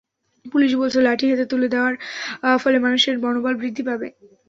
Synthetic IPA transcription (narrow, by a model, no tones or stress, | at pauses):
puliʃ̬bɔlt͡ɕʰolaʈiɦat̪et̪uled̪eoaɾfɔlemanuʃeɾbɔnobalbɾid̪ʱːipabe